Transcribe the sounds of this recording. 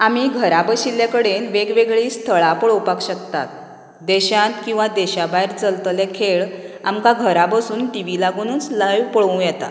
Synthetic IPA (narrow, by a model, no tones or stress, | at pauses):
amiːɡʱəɾabəɕiljakəɽenʋeɡʋeɡɭiːst̪ʰəɭapəɭopakɕəkt̪a̰t̪̚ | d̪eɕãnt̪kĩw̃ʋad̪eɕabajɾt͡səlt̪lekʰeɭa̰mkaɡʱəɾapəsuːnʈiʋilaɡunuːnt͡sləjʋpəɭũjɛt̪a̰